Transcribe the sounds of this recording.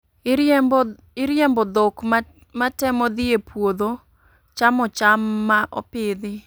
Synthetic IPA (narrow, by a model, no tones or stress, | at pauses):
ɪɾjembɔd̪ok | matɛmɔd̪ɪepwod̪o | t͡ʃamɔt͡ʃamːaʔɔ̰pɪd̪ɪ